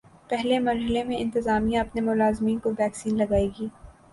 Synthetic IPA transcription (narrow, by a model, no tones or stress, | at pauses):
pɛɦlemɐɾɦɪlemẽɪ̃nt̪ɪzaːmijãɐpnemʊlaːzmiːnkoʋɛːksiːnlɐɡaːiːɡiː